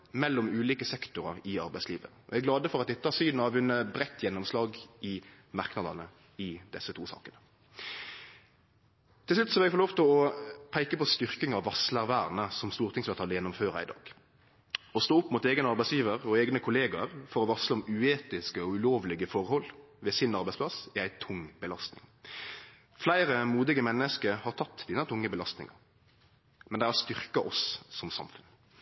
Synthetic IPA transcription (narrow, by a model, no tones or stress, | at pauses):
mɛlːɔmʉːliːkəsɛkt̪ʊɾɑʁɪɑ̰ɾbæɪsliːʋə̰ɔɛæɡlɑːd̪əfɔʁɑt̪d̪ɛɪt̪əɑːɾsyːd̪nɑʋʉnːəbʁɛt̪ːjɛnːɔmslɑːɡɪ | mɑʁknɑd̪ɑ̰nə | ɪd̪ɛsːət̪ʰuːsɑ̰ːkənə | t̪ʰɪslʉt̪sɔhɑɾɛɡfɔloːʋt̪ʰɪlɔpʰæɪkəpɔst̪ʏʁkɪŋɑʋːɑslæʁʋæːʁnəsɔmst̪uːʁt̪ʰɪŋsʋɛlʁt̪ʰɑːlːəjɛnːʊmføːɾɑ̰ɪd̪ɑ̰ːɡ̥ | ɔst̪oːʊpːmut̪eːɡənɑɾʁbæɪsjiːʋəʁɔeːɡnəkʰʊleːɡɑɾfɔɾɔʋɑsləɔmʉːeːt̪ɪskəɔʉloːʋlɪɡəfɔʁhɔlː | ʋeːsɪnɑʁbæɪspʰlɑsɪæɪt̪ʰʊŋbəlɑst̪nɪ̰ŋ | flæɪɾəmuːd̪ɪɡəmɛnːəskəhɑʁt̪ʰɑt̪ːd̪iːnət̪ʰʊŋːəbəlɑst̪nɪ̰ŋɑ̰ɾ | mɛnd̪æɪhɑst̪ʏʁkɑʔɔssɔmsɑ̰mfʉn